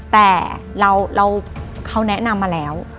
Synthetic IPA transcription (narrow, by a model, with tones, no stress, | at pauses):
t̪ɛː˨˩ | ɾa˧wɾa˧wkʰa˧˥wnɛ˦˥na˧mːaː˧lɛː˦˥w